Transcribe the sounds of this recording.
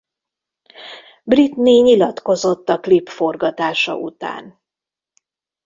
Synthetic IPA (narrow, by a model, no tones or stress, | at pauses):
brit̪neːɲilɒt̪ko̞zo̞t̪ːɒklipfo̞rɡɒt̪aːʃɒ̰ʔṵt̪a̰ːn